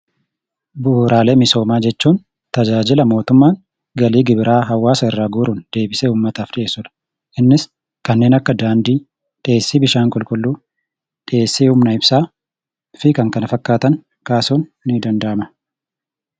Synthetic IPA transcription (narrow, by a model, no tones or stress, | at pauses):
bʊɾaːle̞ːmɪso̞ːmaːd͡ʒɛt͡ʃːuːn | t̪ɐd͡ʒaːd͡ʒɪlɐmo̞ːt̪ʊmːaːŋ | ɡɐliːɡɪbɪɾaːɦɐwːaːsɐɪrːaːɡuːɾuːnd̪̥e̞ːbɪseːuːmːɐt̪aːfᶑɪʔe̞ːsːʊᶑɐ̥ | ʔɪnːɪs | kɐnːe̞ːnɐkːɐd̪aːnd̪iː | ᶑɪʔeːsːiːbɪʃaːŋkʼɔlkʼʊlːuː | ᶑɪeːsːiːhʊmnɐɪbsaː | fɪkɐŋkɐnɐfɐkːaːt̪ɐŋ | kaːsuːnːɪd̪ɐnd̪ɐʔɐmɐ